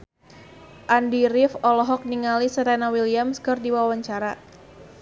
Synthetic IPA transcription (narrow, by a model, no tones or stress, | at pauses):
ʔandiɾɪfɔlɔɦɔk̚niŋalisat̪anawiliamskɨrdiwawaɲt͡ʃaɾa